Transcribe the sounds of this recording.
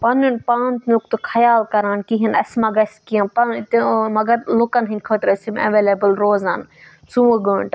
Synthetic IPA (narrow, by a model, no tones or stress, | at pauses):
pɐnunpaːnt̪nuk̚t̪kʰɐjaːlkɐɾaːnkiɦɐnɐsmɐɡɐskijɐ̃npɐnt̪mɐɡɐɾlukɐnɦinʲkʰoːt̪ɾɐsimɐ̰ʋeːlebɨlɾoːzaːn | suɐɡoːɳʈ